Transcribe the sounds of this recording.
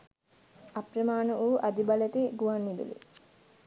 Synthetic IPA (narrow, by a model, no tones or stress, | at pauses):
aprəmaːnəʔuːʔad̪ibalet̪iɡuʋanːid̪ṵlḭ